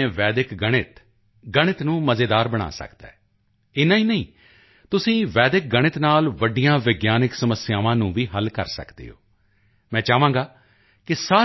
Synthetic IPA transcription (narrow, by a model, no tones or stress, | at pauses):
ẽːʋɛːd̪ɪkɡəɽ̃ɪt̪ | ɡəɽ̃ɪt̪nũːməzeːd̪aːɾbəɽ̃a̰ːsə̰kd̪a̰ːɛː | ɪnãːiːnəĩː | t̪ʊsĩːʋɛːd̪ɪk̚ɡəɽ̃ɪt̪naːlʋəɖijãːʋɪɡjaːnɪksəməsɪjaːʋãːnũːʋiːɦəlkə̰ɾsə̰kd̪ḛːo̰ː | mɛ̃ːt͡ʃaːʋãːɡaː | kɪsaː